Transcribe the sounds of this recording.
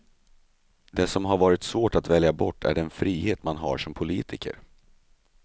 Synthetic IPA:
d̪ɛsɔmɦaɾvɑːɾɪt̪svoːʈat̪vɛljabɔʈːæ̰ɖɛnfɾiːheːt̪manɦa̰ʂɔmpʰʊliːt̪ʰɪkə̰ɾ

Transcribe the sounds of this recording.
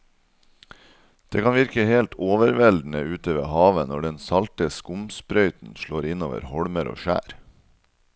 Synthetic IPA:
d̪̥ḛːkʰɑnʋɪɾkəheːlt̪ʰoːʋəɾʋɛld̪n̩əʉːt̪əʋḛːhɑːʋənɔɖɛnsɑlt̪əskʊmspɾœʏt̪n̩ʃɭoːɾɪnoːʋə̰ɾhɔɽməɾo̰ːʃæ̰ːɾ

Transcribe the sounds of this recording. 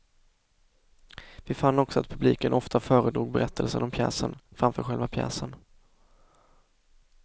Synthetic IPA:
vɪfanːɔksɔat̪̚pʰɵbliːkənʔɔft̪ʰafœːɾəd̪ɾuːɡ̚bɛɾʔɛt̪ʰːəlsənɔmpʰjɛ̰ːsənfɾamfœːɾɧɛlvapʰjɛ̰ːsən

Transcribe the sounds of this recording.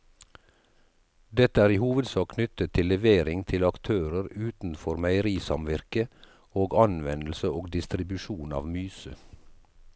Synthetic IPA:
d̪ɛt̪əæːɾiːhuːʋəd̪sɑːkʰnʏt̪ət̪ʰɪlɛʋeːɾɪŋt̪ʰɪlɑkt̪ʰøːɾəɾʉːt̪n̩fɔɾmæɪəɾiːsɑmʋɪɾkə | oːɡɑnʋɛnl̩səoːɡd̪ɪst̪ɾɪbʉʃuːnɑ̰ːʋmyːsə

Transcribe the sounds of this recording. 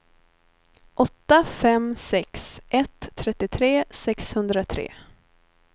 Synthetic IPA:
ʔɔt̪ːafɛmsɛksʔɛt̪ʰːɾɛt̪ːɪt̪ʰɾeːsɛkshɵnd̪ɾat̪ʰɾḛː

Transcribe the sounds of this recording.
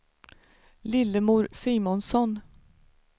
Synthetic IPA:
lɪlːəmuːɾsiːmɔnsɔn

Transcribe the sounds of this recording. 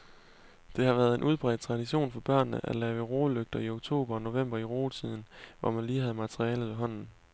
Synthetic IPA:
d̥e̝hɑ̈ʋæːɐð̞ˠe̝nʔuð̞ˠb̥ʁɛ̰ːd̥ˠt͡sʰʁɑ̈diɕo̝̰ːnfɒ̽b̥ɶɐ̰nːəʔæ̥lɛːʊəʁo̝ːløɡ̥̚d̥ɐio̝ɡ̥̚t͡sʰo̝̰ːb̥ɐɒno̝ʋem̰b̥ɐiʁo̝ːt͡sʰið̰ˠn̩ʋʔɒ̰mænliːɦæð̩ˠmæt͡sʰʁiɛːləðˠʋe̝ɦɒ̽n̰n̩

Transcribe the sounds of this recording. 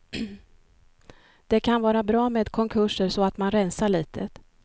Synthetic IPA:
d̪̥ɛkʰanvɑːɾabɾɑːmeːd̪kʰɔŋkʰɵʂəɾsɔat̪manɾɛnsaɭiːt̪ʰə

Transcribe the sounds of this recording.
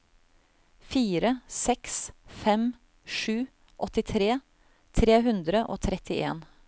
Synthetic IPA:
fiːɾəsɛksfɛm | ʂʉː | ʔɔt̪ɪt̪ʰɾeː | t̪ʰɾeːɦʉnd̪ɾəʔo̰ːt̪ʰɾɛt̪ɪʔḛːn

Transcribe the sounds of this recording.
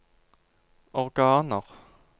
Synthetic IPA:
ɔʁɡɑːnəʁ

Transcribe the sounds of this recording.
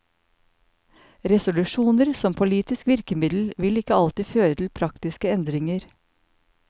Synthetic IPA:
ɾɛsʊlʉʃuːnəɾsɔmpʰʊliːt̪ɪskʋɪɾkəmɪd̪l̩ʋɪlɪkəɑlt̪iːføːɾət̪ʰl̩pʰɾɑkt̪ɪskəɛnd̪ɾɪŋəɾ

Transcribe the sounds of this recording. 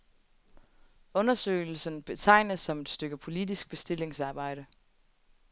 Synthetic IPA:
ɔ̽nɐsø̰ːɪl̩sənb̥e̝t͡sʰɑ̈ɪ̰nəðˠsɒ̽me̝d̥sd̥øɡ̥əpʰo̝lid̥isɡ̥̚b̥e̝sd̥e̝l̰e̝ŋsɑ̈ːb̥ɑ̈ɪ̰ɾə

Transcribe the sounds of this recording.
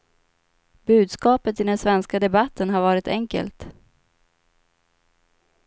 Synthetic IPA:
bʉ̟ːd̪skɑːpət̪ɪd̪ɛnsvɛnskad̪ɛbat̪ʰːənɦaɾvɑːɾɪt̪ɛŋkə̰lt̪

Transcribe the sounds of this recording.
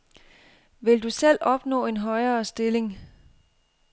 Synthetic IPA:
ʋe̝ld̥usel̰ɒ̽b̥nɔ̰̽ːe̝nɦɒ̽ɪɐːsd̥e̝le̝ŋ

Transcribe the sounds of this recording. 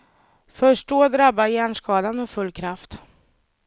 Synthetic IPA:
fœʂʈoːd̪ɾabːajæːɳʂkɑːd̪anmɛfɵlːkʰɾaft̪

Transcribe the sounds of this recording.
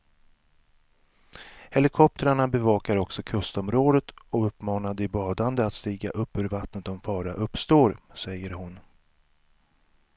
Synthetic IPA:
hɛlɪkʰɔp̚t̪əɾaɳabɛvɑːkaɾɔksɔkʰɵst̪ɔmɾoːd̪ət̪ɔɵpːmɑːnad̪ɪbɑːd̪and̪əat̪st̪iːɡaʔɵpːhɵɾvat̪nət̪̚ɔmfɑːɾaʔɵpːst̪oːɾsɛjːəɾɦʊn

